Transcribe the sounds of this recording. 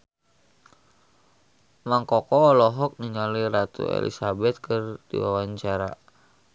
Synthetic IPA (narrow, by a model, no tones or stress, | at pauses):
maŋkɔkɔːlɔɦɔk̚niɲaliɾat̪ṵḛlḭsabɛt̪̚kərdḭwawaɲt͡ʃaɾa̰